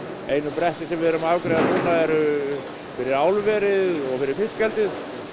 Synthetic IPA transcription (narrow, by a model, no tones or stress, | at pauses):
ejnʏpɾɛht̪ɪsɛmvɪðɛɾʏmaːvkɾeːjðanuːnaɛɾ | fɪɾɪɾaːwlvɛːɾɪðɔɣfɪɾɪɾ̥fɪscɛlt̪ɪð